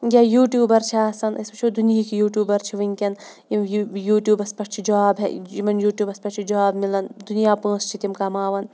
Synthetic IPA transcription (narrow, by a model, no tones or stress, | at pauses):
ɡʲajuːʈjuːbɐɾt͡ʃʰiaːsɐnɐ̰spɐt͡ʃʰod̪unijikijuːʈʲjuːbɐɾt͡ʃʰiʋɐŋʲkʲɐnjimjuːʈjuːbɐspɐʈʰt͡ʃʰid͡ʒaːbḛimɐnjuːʈʲjuːbɐspɐt͡ʃʰid͡ʒaːbmilɐnd̪unijaːpə̃ːst͡ʃʰit̪ʲimkɐmaːʋɐn